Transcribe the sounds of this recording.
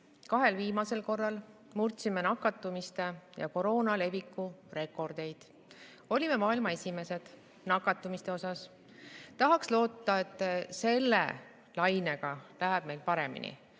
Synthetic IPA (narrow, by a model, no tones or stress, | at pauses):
kɑɦe̞lviːmɑse̞lko̞rːɑl | murt̪simenɑkːˑɑt̪ːˑumist̪e̞jɑ̰ko̞ɾo̞ːnɑle̞vikːˑure̞kːˑo̞rd̪̥e̞jd̪̥ | o̞lʲime̞mɑːilmɑe̞sʲime̞se̞d̪̥ | nɑkːˑɑt̪ːˑumist̪e̞o̞sɑs | t̪ɑɦɑkslo̞ːt̪ːˑɑe̞t̪ːˑse̞lːḛ | lɑjne̞ɡ̥ɑlæɦɛb̥̚me̞jlpɑɾe̞mḭnḭ